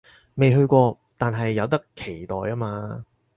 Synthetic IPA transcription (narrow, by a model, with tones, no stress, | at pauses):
me˨jɦɵ˧ɥkʷɔː˧ | t̪aː˨nɦɐ˨jːɐ˨˧wt̪ɐ˥kʰːe˨˩jt̪ɔː˨jaː˥maː˧